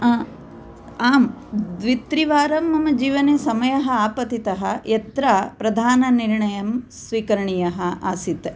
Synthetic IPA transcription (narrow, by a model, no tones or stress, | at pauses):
aːmd̪ʋit̪ɾiʋaːɾɐmɐmɐd͡ʒiːʋɐneːsɐmɐjɐɦɐaːpɐt̪it̪ɐɦɐjɐt̪ɾapɾɐd̪ʱaːnɐniɾɳɐjɐmsʋiːkɐɾɐɳijɐɦɐa̰ːsit̪e